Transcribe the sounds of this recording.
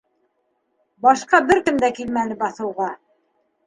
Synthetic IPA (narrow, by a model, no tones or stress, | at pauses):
bɑʃqɑbɘɾkɘmd̪ækilmænɘbɑθɤ̆wʁɑ